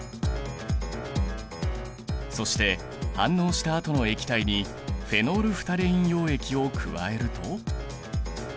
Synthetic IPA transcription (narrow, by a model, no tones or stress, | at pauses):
so̞ɕi̥t̪e̞ | hãnːo̞ːɕi̥t̪aːt̪o̞no̞e̞kʲi̥t̪aiɲ̟i | ɸe̞no̞ːɾɯ̟ɸɯ̥t̪aɾeĩɰ̃jo̞ːe̞kʲio̞kʰɯ̟̰βa̰e̞ɾɯ̟t̪o̞